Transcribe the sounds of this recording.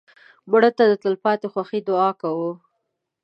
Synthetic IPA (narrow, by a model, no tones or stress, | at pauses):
mʊɽət̪ad̪ət̪əlpɑt̪exwaxid̪ʊɑkawu